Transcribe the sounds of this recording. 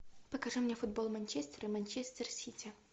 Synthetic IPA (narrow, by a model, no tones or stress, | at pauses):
pəkɐʐɨmnʲefʊd̪̚bolˠmɐnʲt͡ɕesʲt̪ʲəɾɨmɐnʲt͡ɕesʲt̪ʲərsʲitʲɪ